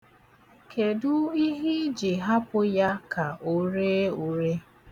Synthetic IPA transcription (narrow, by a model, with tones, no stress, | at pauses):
kʰe˨dʊ˦i˦ɦi˦d͡ʒi˨ɦa˦pʊ˦ja˦ka˨ʔo˦ɾe˦u˨ɾe˦